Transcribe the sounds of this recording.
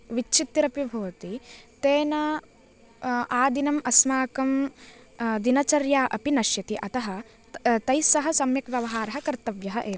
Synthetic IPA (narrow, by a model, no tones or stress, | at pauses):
ʋit͡ʃːt͡ʃʰit̪ɾɐpjibʱɐːɐt̪it̪eːnɐ | ʔaːd̪inɐmʔɐsmaːkɐm | d̪inɐt͡ʃɐɾjaːʔɐpinɐʃjɐt̪iʔɐt̪ɐɦɐ̆ | t̪ɐjsɐɦɐsɐmjɐkʋjɐʋɐɦaːɾɐɦɐ̆kɐɾt̪ɐʋjɐɦɐʔeː